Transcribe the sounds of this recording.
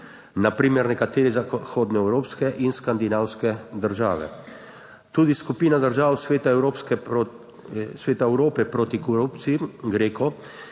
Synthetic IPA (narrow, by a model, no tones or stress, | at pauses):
napɾiːmɛɾnɛkat̪eːɾɛzaxoːd̪nɛɛwɾoːpskɛʔinskand̪inaːwskɛd̪əɾʒa̰ːʋɛ̰ | t̪uːd̪iskupiːnad̪əɾʒaːwsʋeːt̪aɛwɾopskɛ | sʋeːt̪aɛwɾoːpɛpɾoːt̪ikɔɾupt̪sijiɡɾeːkɔ